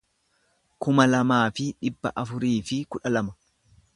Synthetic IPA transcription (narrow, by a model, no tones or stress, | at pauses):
kʊmɐlɐmaːfɪᶑɪbːɐ̰ʔɐfʊɾiːfɪkʊᶑɐlɐmɐ̥